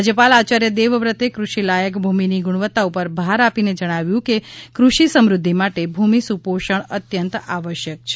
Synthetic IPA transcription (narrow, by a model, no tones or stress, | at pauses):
d͡ʒəpalat͡ʃaɾjəd̪eʋəʋɾət̪ekɾuʃilajəkbʱuminiɡuɽ̃ʋət̪ːaupəɾbʱaɾapined͡ʒəɽ̃aʋjũkekɾuʃisəmɾʊd̪ʱːimaʈebʱumisupoʃəɳət̪jənt̪aʋəʃjək̚t͡ʃʰ